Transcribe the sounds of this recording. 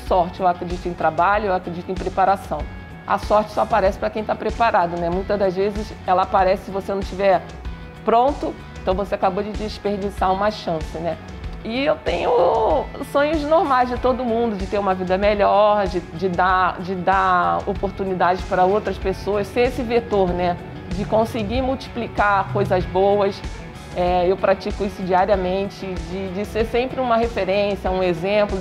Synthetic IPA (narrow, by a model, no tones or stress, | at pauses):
sɔɾt͡ʃɪewakɾed͡ʒit̪ʊẽj̃t̪ɾabaʎʊewakɾed͡ʒit̪ʊẽj̃pɾepaɾasɐ̃w̃ | ɐ̰sɔɾt͡ʃɪ̥sɔapaɾɛsɪpɾɐkẽj̃t̪apɾepaɾad̪ʊnɛmũj̃t̪ɐzd̪ɐzvezɪs | ɛlɐapaɾɛsɪ̥sɪvosenɐ̃w̃ʃt͡ʃivɛ | pɾõnt̪ʊ | ẽt̪ɐ̃w̃voseakabod͡ʒɪd͡ʒɪspeɾd͡ʒisaũmɐʃɐ̃sɪnɛ | ɪewt̪ẽjɲʊ | sõɲʊznoɾmajzd͡ʒɪt̪od̪ʊmũnd̪ʊd͡ʒɪt̪eɾũmɐvid̪ɐmeʎɔɾd͡ʒɪd͡ʒɪd̪ad͡ʒɪd̪aopoɾt̪unid̪ad͡ʒɪpaɾɐowt̪ɾɐspesoɐsseɾesɪvet̪oɾnɛ | d͡ʒɪkõsɪɡimuwt͡ʃi̥plikaɾkojzɐzbowɐs | ɛewpɾat͡ʃikʊisʊd͡ʒiaɾiɐmẽnt͡ʃɪd͡ʒɪd͡ʒɪseɾsẽmpɾɪũmɐɦefeɾẽsiɐũezẽmplʊ